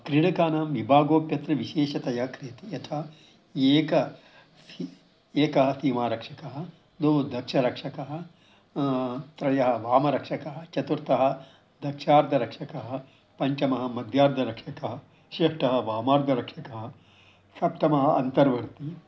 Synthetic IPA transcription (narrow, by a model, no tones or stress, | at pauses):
kɾiɽɐkaːnaːmʋibʱaːɡoːpjɐt̪ɾɐʋiʃeːʃɐt̪ɐjɐkɾeːt̪ijɐt̪ʰa | eːkɐ | si | eːkɐɦɐ̆siːmaːɾɐkʂɐkɐɦɐ̆ | d̪oːud̪ɐkʂɐɾɐkʂɐkɐɦɐ | t̪ɾɐjɐɦɐ̆ʋaːmɐɾɐkʂɐkɐɦɐt͡ʃɐt̪uɾt̪ɐɦɐ̆ | d̪ʱɐkʂaːɾd̪ʱɐɾɐkʂɐkɐɦɐ | pɐɲt͡ʃɐmɐɦɐmɐd̪ʱjaːɾd̪ʱɐɾɐkʂɐkɐɦɐ | ʃeːʂʈɐɦɐ̆ʋaːmaːɾd̪ʱɐɾɐkʂɐkɐɦɐ | sɐp̚t̪ʰɐmɐɦɐɐnt̪ɐɾʋɐɾt̪i